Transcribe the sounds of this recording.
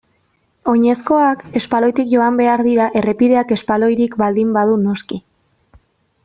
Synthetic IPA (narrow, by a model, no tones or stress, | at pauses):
o̞ɲe̞sko̞ake̞spalo̞jt̪ikʝo̞ambe̞aɾðiɾaʔe̞re̞piðe̞ake̞spalo̞jɾikbald̪imbaðuno̞ski